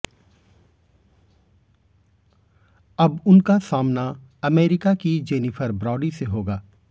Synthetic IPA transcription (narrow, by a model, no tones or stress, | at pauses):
ɐbʊnkasaːmna | ɐmeːɾɪkakid͡ʒeːnifʰəɾbɾɔːɖiseɦoːɡaː